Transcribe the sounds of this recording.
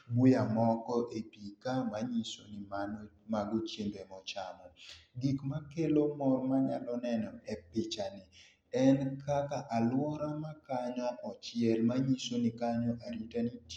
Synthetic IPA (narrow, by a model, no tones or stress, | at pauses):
bujamɔkɔʔepikamaɲisonɪman | maɡot͡ʃjeŋbemɔt͡ʃamɔɡikmakelomɔrmaɲa̰lɔnɛnɔɛpɪt͡ʃanɪ | ɛnkʰakaʔalwɔɾamakaɲɔʔɔt͡ʃjɛlmaɲisonikaɲɔʔaɾitanit